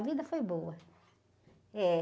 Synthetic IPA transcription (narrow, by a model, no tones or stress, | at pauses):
vid̪ɐfojbowɐ | ɛ